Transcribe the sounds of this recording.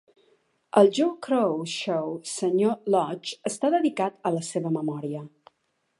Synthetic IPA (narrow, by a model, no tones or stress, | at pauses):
əlˠʒowkɾowʃowsəɲolɔt͡ʃəst̪aðəðikat̪ələseβəməmɔɾiə